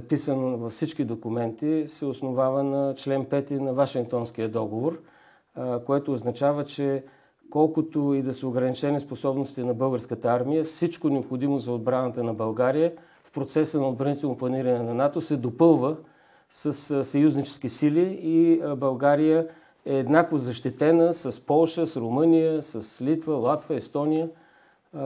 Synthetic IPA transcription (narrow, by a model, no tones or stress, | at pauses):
pisənovɐfsit͡ʃkid̪okʊmɛnt̪isɛosnovavənɐt͡ʃlɛnpɛt̪inɐvəʃiŋk̚t̪ɔnskijəd̪ɔɡovoɾ | koɛt̪oːznɐt͡ʃavət͡ʃɛ | kɔlˠkot̪oid̪ɐsəoɡɾɐnit͡ʃɛnisposɔbnost̪inɐbɤlˠɡəɾskət̪əaɾmijəfsit͡ʃkonɛopxod̪imozɐod̪̚bɾanət̪ənɐbɐlˠɡaɾijə | fpɾot̪sɛsənɐod̪bɾɐnit̪ɛlˠnoplˠɐniɾɐnɛnɐnat̪osɛd̪opɤlˠvə | səssɐjuznit͡ʃɛ̥skisiliibɐlˠɡaɾijə | ɛːd̪nakvozɐʃt̪it̪ɛnəsɐspɔlˠʃəsɾomɤnijəsɐslit̪vəlˠat̪vəɛst̪ɔnijə